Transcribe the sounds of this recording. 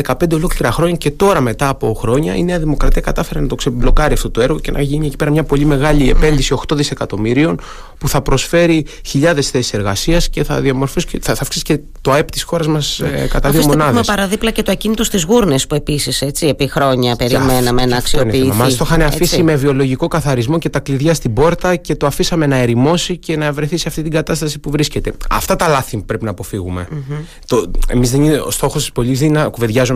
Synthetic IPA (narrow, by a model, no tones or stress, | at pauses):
ðekɐpend̪eolo̞kliɾɐxɾo̞ɲɐce̞t̪o̞ɾɐme̞t̪ɐːpo̞xɾo̞ɲɐḭneɐðimo̞kɾɐt̪iɐkɐt̪ɐfe̞ɾenɐt̪o̞kseblo̞kɐɾiɐft̪ot̪oe̞ɾɣo̞ce̞nʔɐ̰ʝinie̞cipe̞ɾɐmɲɐpo̞ʎime̞ɣɐʎiepe̞nd̪isio̞xt̪o̞ðise̞kɐt̪o̞miɾio̞n | puθɐpɾo̞sfe̞ɾi | çiʎɐðe̞sθesi̥se̞ɾɣɐsiɐsce̞θɐ̰ðiɐmo̞ɾfusceɐθɐfksi̥sce | t̪oept̪i̥sxo̞ɾɐzmɐskɐt̪ɐðiomonɐðumespɐɾɐðiplɐcet̪oɐcinit̪o̞st̪izɣuɾnespue̞pisiset͡siepixɾo̞ɲɐpe̞ɾimenɐmeenɐːksioneimɐst̪oxɐneɐfisime̞vio̞lo̞ʝiko̞kɐθɐɾizmo̞ce̞t̪ɐkliðʝɐst̪ibo̞ɾt̪ɐce̞t̪o̞ɐfisɐme̞nɐe̞ɾimo̞sice̞nɐvɾeθiseɐft̪it̪iŋɡɐt̪ɐst̪ɐsi̥puvɾisce̞t̪e̞ɐ̰ft̪ɐt̪ɐlɐθipɾe̞pinɐːpo̞fiɣume̞̰ | t̪oḛmizðeniost̪o̞xost̪i̥spo̞ʎizðinɐkuve̞ðʝɐzun